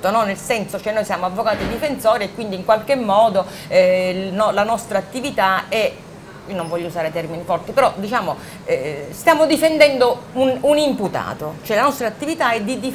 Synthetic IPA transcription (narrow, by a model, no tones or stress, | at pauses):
t̪onɔnːelsɛnsot͡ʃoɛnːojsjaːmoavːokaːt̪id̪ifensɔːɾiekːwind̪iŋkwalk̟emːɔːd̪o | ɛnɔlanɔst̪ɾaːt̪ːivit̪aɛ | iːonoɱvɔʎːouzaːɾet̪ɛrminifɔrt̪ipeɾɔd̪it͡ʃaːmo | ɛst̪jaːmod̪ifend̪ɛnd̪oununimput̪a̰ːt̪ot͡ʃoɛlanɔst̪ɾat̪ːivit̪aɛd̪id̪i